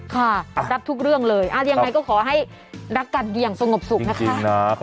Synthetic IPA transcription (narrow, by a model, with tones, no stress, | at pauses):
kʰa˥˩ɾa˦˥p̚t̪ʰu˦˥k̚ɾɯ˥˩əŋlɤː˧jʔa˧˩ja˧ŋŋːa˧jkɔː˥˩kʰɔː˩˦ɦa˥˩j | ɾa˦˥kːa˧ndi˧əŋsa˧ŋo˨˩p̚su˨˩na˦˥ki˧a˧ŋ˥na˦